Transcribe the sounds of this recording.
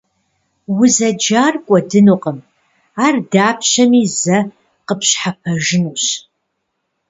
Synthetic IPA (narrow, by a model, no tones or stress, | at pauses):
wʊzɐd͡ʒaːrkʷʼɔdɨnuqəm | aːrdaːpʰɕɐmiːzɐ | qəpʰɕħapʰɐʒɪnuɕ